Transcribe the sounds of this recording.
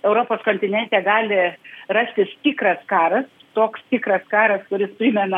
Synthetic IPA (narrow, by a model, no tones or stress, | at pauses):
ɛʊɾoːpoːskoːnʲt̪ʲɪnʲɛnʲt̪ʲɛːɡɑːlʲɪrɑsʲt̪ʲɪst̪ʲɪkrɐskɑːɾɐst̪oːkst̪ʲɪkɾɐskɑːɾɐskʊɾʲɪspʲɾʲɪːmʲɛnɐ